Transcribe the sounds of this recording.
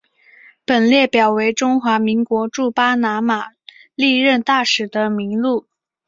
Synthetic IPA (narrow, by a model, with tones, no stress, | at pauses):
pə˨˩nljɛ˥˩pjɑ˨˩ʊwe˧˥ɪʈ͡ʂʊ˥ŋxwa˧˥mi˧˥ŋkwɔ˧˥ʈ͡ʂu˥˩pa˥na˧˥ma˨˩li˥˧ɻə˥˧nt̪a˥˩ʂɻ̩˨˩d̪ə˦mi˧˥ŋlu˥˩